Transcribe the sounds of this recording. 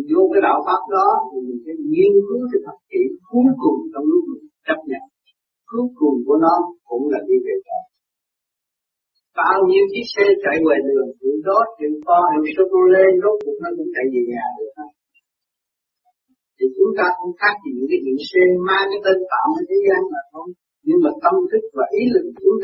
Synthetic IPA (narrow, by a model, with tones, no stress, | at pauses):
zu˧kaː˨˦jɗa̰ː˧˨wfaː˦˥p̚nɔ˨˦t̪ʰi˨˩mï˨˩ŋ̟sɛ˨˧˦ŋi˧ənkɨ˨˦t̪ʰɨ˨˩t̪ʰə˨˩t̚kḭ˧˨ku˨˦wkʊ˨˩ŋ͡mt͡ɕɔ˧wŋ͡mlʊ˦˥k̚mɨ˨˩ŋt͡ɕə˦˥p̚ɲə̰˧˨n | ku˨˦əkʊ˨˩ŋ͡mku˧˩ənɔ˨˦kʊ̰˧˥ŋ͡mlaː˨˩ɗi˧ve˨˩za̰ː˧˨˩ | ɓaː˧wɲi˧əwt͡ɕi˨˦sɛ˧t͡ɕa̰ː˧˨˩jwe˨˩ɗɨ˨˩əŋkḭ˧˦zo˦˥t̚t͡ɕḭ˧˩əfɔ˧ni˧˩so˧ko˧le˧zo˦˥t̚ku˧˩nɔ˨˦kʊ̰˧˥ŋ͡mt͡ɕa˧˩jzi˨˩ɲaː˨˩ɗɨ˨˩ək̚a˧˩ | t̪ʰi˨˩t͡ɕʊ˨˦ŋ͡mt̪aː˧kʊ̰˧˥ŋ͡mxaː˦˥k̚vḭ˨˩˨kaː˨˦ḭ˧˨sɛ˧maː˧ka˨˦t̪e˧nt̪a̰ː˧˨wmə˨˦jt̪ʰe˨˦zaː˨˧nlaː˨˩xə˧wŋ͡m | ɲɨ˧ŋmaː˨˩t̪ə˧mt̪ʰɨ˦˥k̚vaː˨˩ʔi˨˦lɨ˨˩k̚t͡ɕʊ˨˦ŋ͡m